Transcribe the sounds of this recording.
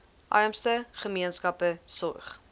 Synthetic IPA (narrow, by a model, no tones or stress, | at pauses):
ʔɐ̰jəmstəχəmiənskɐpəsɔrχ